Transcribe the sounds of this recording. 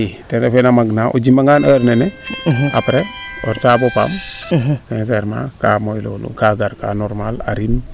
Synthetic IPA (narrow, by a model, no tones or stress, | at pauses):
itenefenamaɡnaʔo̰d͡ʒimaŋanaɾneneapɾeo̰ɾtaːbopa̰msɛ̃ns̬ɛɾmã̰kamojlo̰lṵkaɡaɾka̰noɾmala̰ɾim